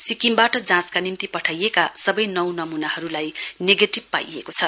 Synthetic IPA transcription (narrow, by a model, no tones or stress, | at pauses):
sikimbaʈʌd͡zãskanimt̪ipʌʈʰajekasʌbʌjnʌwnʌmunahʌɾulajneɡeʈib̚pa̰jḛkot͡sʰʌ